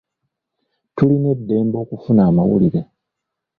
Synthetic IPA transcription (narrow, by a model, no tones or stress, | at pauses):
tuline̞dːe̞ːmbo̞ːkufunaːmawṵliɾe